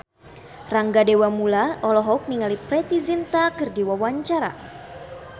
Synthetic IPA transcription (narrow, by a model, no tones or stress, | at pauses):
raŋɡadewamulaʔɔlɔɦɔk̚niŋalipɾɛt̪izint̪akɨrdiwawaɲt͡ʃaɾa̰